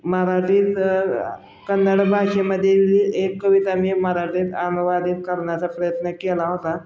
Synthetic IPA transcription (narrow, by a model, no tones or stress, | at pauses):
məɾaʈiːt̪ | kənːəɽbʱaʂeməd̪ʱːjeekːəʋit̪amiməɾaʈiːt̪anuʋad̪inkəɾɳjat͡sapɾəjət̪nəkelaɦot̪a